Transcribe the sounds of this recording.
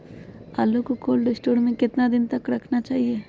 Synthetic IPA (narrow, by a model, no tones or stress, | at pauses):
aːlokokoːlɖɪsʈoːɾmẽkɪt̪nad̪ɪnt̪ɐkɾɐkʰnat͡ʃaːɦieː